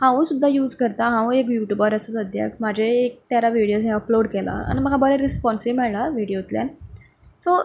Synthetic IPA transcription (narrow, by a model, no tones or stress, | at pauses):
hãʋũsud̪ʱːajuːd͡zkəɾt̪aɦãʋũekjuʈjubaɾəsəsəd̪ʱja̰km̤ad͡ʑʱeːk̚t̪jaɾaʋiɽijos̬ɦẽəploɽkɛla̰a̰niməɡʱabəɾeɾispɔnsiimɛɭlaʋiɽijot̪lja̰n | so